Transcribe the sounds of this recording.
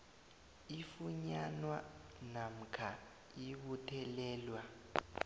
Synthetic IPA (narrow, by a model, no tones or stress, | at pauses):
ifuɲanwanam̩kʰa | iɓutʰɛlɛːlwa